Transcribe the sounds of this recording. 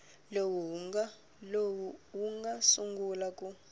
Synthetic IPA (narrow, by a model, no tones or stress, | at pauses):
lowua | lowuwuŋɡasuŋɡulakʼu